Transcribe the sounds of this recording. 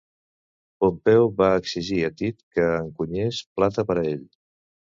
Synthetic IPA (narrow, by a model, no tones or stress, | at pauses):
pompɛwβaəksiʒiət̪it̪kəːŋkuɲesplat̪əpəɾəeʎ